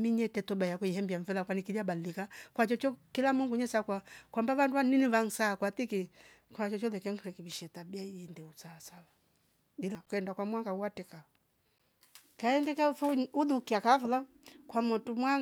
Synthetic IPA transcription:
miɲɛtɛtɔbajakuihɛmbiaɱvɛlakwanikidabalilikakwat͡ʃɔt͡ʃɔkilamuŋɡuɲɛsakwakwambaβanduwaniniβaŋ̩saːkwat̪iki | kwat͡ʃɔt͡ʃɔlɛkɛŋ̩ɾɛkiβiʃɛtabiaiɛndɛusaasawa | dilakwɛndakwamwaŋɡauwatɛka | kaɛndɛkafuuðukiakafula | kwamutumwa

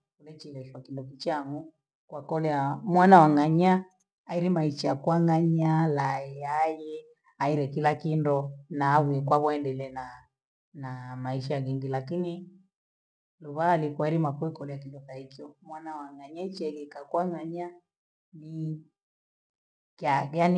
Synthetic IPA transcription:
kulɛt͡ʃilɛʃwakindɔkit͡ʃaŋɡu | kwakɔlɛamwanawaŋaɲa | aiɾimaiʃakwaŋaɲalaɛjajɛ | aiɾɛkilakindɔnaːβujɛkwaβɔɛndɛlɛna | namaiʃaɣɛŋɡilakini | luβaːlikwaiɾimakuɛkɔlɛjakindɔkaikiɔmwanawaŋaɲait͡ʃɛɣɛkakwaŋaɲa | ni | kajani

